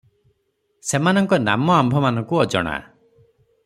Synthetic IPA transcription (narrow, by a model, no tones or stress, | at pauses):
semanɔŋkɔna̰mɔambʱɔmanɔŋkuɔd͡ʒɔ̰ɽ̃a̰